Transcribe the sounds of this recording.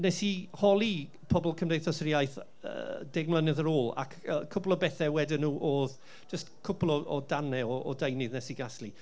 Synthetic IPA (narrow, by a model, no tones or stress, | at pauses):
nɛsihɔlˠi | pʰɔbɔlˠkʰəmdejθɔsɾiajθ | ə̰d̥ɪɡ̚mlˠənɪðəɾoːlˠa̰kʰəkʰːʊplˠɔbɛθɛwɛdɪnːuːʔoːð | d͡ʒəstkʰʊplˠɔʔɔdanɛɔ̰ːdejnɨðnɛsiɡaslˠi